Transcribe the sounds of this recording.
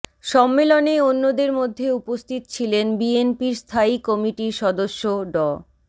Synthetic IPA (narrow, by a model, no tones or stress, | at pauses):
ʃɔmːeloneonːod̪eɾmod̪ʱːeupost̪ʰit̪ot͡ɕʰilenbienpiɾst̪ʰaikɔmiʈiʃɔd̪oʃːoɖɔ